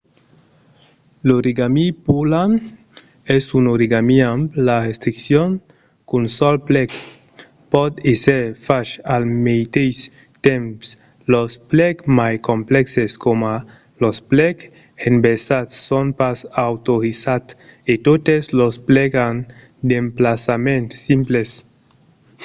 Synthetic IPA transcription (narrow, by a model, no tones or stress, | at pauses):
loɾiɡamipulan | ɛsunoɾiɡamiamplaɾest̪ɾiksjon | kunsɔlplɛk | pɔt̪eseɾfaʃalmejt̪ejs | t̪ɛmps | losplɛkmajkomplɛkseskoma | losplɛk | enbesat̪sːonpasawt̪oɾisat̪et̪ot̪eslosplɛɡan | d̪emplasamẽnt̪simples